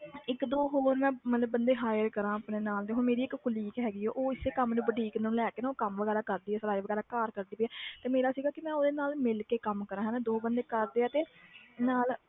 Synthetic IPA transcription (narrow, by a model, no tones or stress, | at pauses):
ɪkd̪oːɦoːɾmɛ̃ːmət̪ləbːənd̪eːɦaːjəɾkəɾãːəpneːnaːld̪eːɦoːɾmeːɾiːɪkkʊliːkɦɛːɡiːɛːʔoːɪseːkəmnũːbəɖiːknũːlɛːkeːnãːoːkəmʋəɡɛːɾaːkəɾd̪iːɦɛːsəɾaːiʋəɡɛːɾaːkaːɾkəɾd̪iːpiːɛːt̪eːmeːɾaːsiːɡaːkɪmɛ̃ːoːd̪eːnaːlmɪlkeːkəmkəɾãːɦɛ̃ːnaːd̪oːbənd̪eːkəɾd̪eːaːt̪eːnaːl